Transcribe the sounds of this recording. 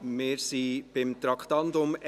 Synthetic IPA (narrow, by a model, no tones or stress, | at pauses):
meːɾsiːb̥ɪmt̪ɾɑkʰt̪ɑnd̪ʊmɛ